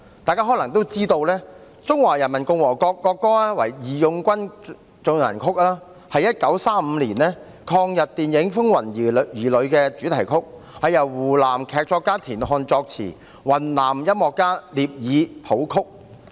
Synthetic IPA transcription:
t̪aː˨˧kaː˥ɦɔ˨˥lɐ˨˩ŋt̪o˥wt͡siː˥t̪o˧wlɛː˥ | t͡sʊ˥ŋwaː˨˩jɐ˨˩nmɐ˨˩nkʊ˧ŋwɔː˨˩kɔː˧kːɔː˧kːɔː˥a˥wɐ̰˨˩jjiː˨˩jʊ˧ŋkʷɐ˥n | t͡sʊ˨˧ŋnɐ̰˨˩nkʰʊ˥k̚laː˥ | hɐ˨jːɐ˥t̚kɐ˨˥wsaː˥m̩˨˧liː˨˩nɛː˥ | kʰɔː˧ŋjɐ˨t̚t̪iː˨njɪ˨˥ŋfʊ˥ŋwɐ˨˩ni˨jiː˨˩lɵ˨˧ɥkɛː˧t͡syː˨˥t̪ʰɐ˨˩jkʰʊ˥k̚ | hɐ˨jɐ˨˩wːuː˨˩laː˨˩mkʰɛː˧k̚t͡ʃɔː˧kːaː˥t̪ʰiː˨˩nɦɔː˧nt͡ʃɔː˧k̚t͡sʰḭː˨˩ | wɐ˨˩nlaː˨˩mjɐ˥mːɔː˨˧kːaː˥liː˨p̚jiː˨˧pʰo˨˥wkʰʊ˥k̚

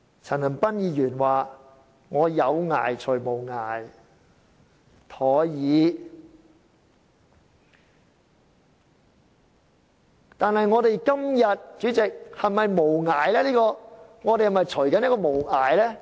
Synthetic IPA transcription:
t͡sʰɐ˨˩nhɐ˨˩npɐ˥njiː˨˧jyː˨˩nwaː˨˩ | ŋɔː˨˧jɐ˨˧wŋa̰ː˨˩jt͡ʃʰɵ˨˩ɥmo˨˩wŋa̰ː˨˩j | t̪ʰɔː˨˥jiː˨˧ | t̪aː˨nhɐ˨jŋɔː˨˧t̪e˨jkɐ˥mjɐ˨t̚t͡ʃyː˨˥t͡sɪ˨k̚hɐ˨jmɐ˨jmo˨˩wŋaː˨jlɛː˥liː˥kɔː˧ŋɔː˨˧t̪e˨jhɐ˨˩mɐ˨jt͡ʃʰɵ˨˩ɥkɐ˨˥njkɔː˧mo˨˩wŋaː˨˩jlɛː˥

